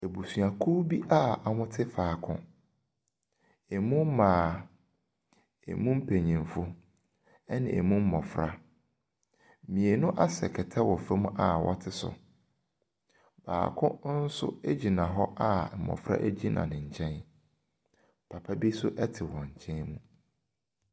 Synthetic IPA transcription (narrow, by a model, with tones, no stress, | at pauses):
e˨bu˨su˨a˨kʰu˦bi˦ʔa˦a˨mʊ̃˦tʰɪ˦faː˨kʰʊ̰̃˦ | e˨mũ˦m˦mãː˨ | ḛ˨mũ˦m̩˦pʰe˨ɲĩ˨m˨fʊ˦ | ɛ˦nɪ̰̃˨e˨mũ˦m̩˦mɔ̃˨fɾa˦ | mĩ˨e˨nʊ̃˦ʔa˦sɛ̰˨kʰɛ˨tʰɛ˦wɔ˨fɛ˦mũ˦ʔa˨wɔ̰˦tʰɪ˦sʊ̰˨ | b̥a̰ː˨kʰʊ̃˦n̩˦sʊ̰˦e˦d͡ʑi˨nã˨ɦɔ˦ʔa˦˨mɔ̰̃˨fɾa̰˦ʔæ˦d͡ʑi˦nʔã̰˨nɪ̃˨ɲ̩˨t͡ɕʰɛ̃˦n | pʰa˨pʰa˦bi˦sʊ˦ʔɛ˦tʰɪ˨wɔ̃˨ɲ̩˨t͡ɕʰɛ̃˦nmũ˦